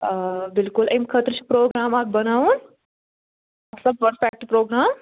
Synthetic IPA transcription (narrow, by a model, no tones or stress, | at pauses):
bɪlkʊlɐjmkʰət̪ɾt͡ʃʰi̥pɾoːɡɾaːmaːk̚bɐnaːun | aːbsəb̚ʋəɾfɛːk̚ʈpɾoːɡɾaːm